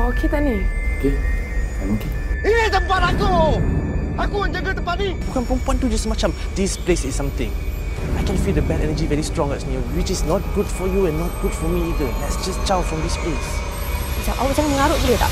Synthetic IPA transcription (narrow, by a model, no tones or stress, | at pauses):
okʰet̪ɛniokeamokeit̪ə̃mpatako | akuə̃nd͡ʒədət̪əmpat̚nijukɛ̃npɔ̃npɔ̃ntud͡ʒasmat͡ʃãmdisplesisːãmt̪ɪ̃ŋ | ajkɛ̃nfildəbɛtɛnəd͡ʒivɛɹistɹɔ̃ŋɛtsmiwit͡ʃisnɔt̚ɡudfɔjuɛ̃nːɔt̚ɡ̥udfɔmiidəlɛtsd͡ʒast͡ʃawfɹɔ̃mdisples | isaʔawd͡ʒãŋamə̃ŋaɾoʔsiɾit̪a̰ʔ